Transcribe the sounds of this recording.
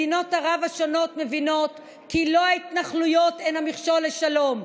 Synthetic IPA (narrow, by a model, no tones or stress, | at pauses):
ino̞thaʁavaʃo̞no̞tme̞vino̞t | kilo̞ait̪naχlujo̞tenamiχʃolːeʃalo̞m